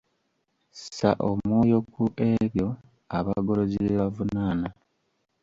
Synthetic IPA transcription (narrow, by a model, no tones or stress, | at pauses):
ssa̰ʔommwo̞ːjo̞kuʔe̞ɾjo̞ | aβaɡo̞lo̞zieβavunaːna